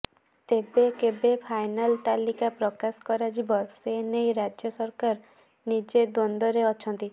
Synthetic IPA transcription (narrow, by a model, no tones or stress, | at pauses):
t̪ebekebepʰajnalt̪alikapɾɔkaskɔɾad͡ʒibɔsenejɾad͡ʒjɔsɔɾkaɾ | nid͡ʒed̪ond̪ɔɾeɔt͡ʃʰɔnt̪i